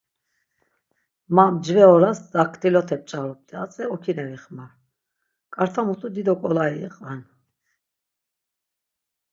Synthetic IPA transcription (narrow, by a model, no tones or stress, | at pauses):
mamd͡ʒvɛɔɾasd̪akʰt̪ʰʼilɔt̪ʰɛp̚t͡ʃʼaɾɔp̚t̪ʼɛat͡sʼɛɔkʰinɛviχmaɾ | kʼaɾt̪ʰamut̪ʰud̪id̪ɔkʼɔlaiɛqʼan